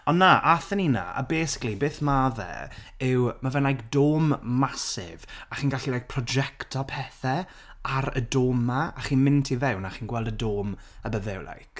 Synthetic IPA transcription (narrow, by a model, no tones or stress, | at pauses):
ɔnːaʔaθənina̰a̰beːsɪ̥klibeːθmaðɛ̰ɪwmavɛnlajkd̥oːmːasɪ̰vaχiːnɡaɬilajk̚pʰrɔd͡ʒɛktʰɔpʰɛθɛ | aɾə̰doːmaaχiːnmɪntʰivɛwnaχiːnɡwɛlˠdədoːməbəvɛwlˠa̰jk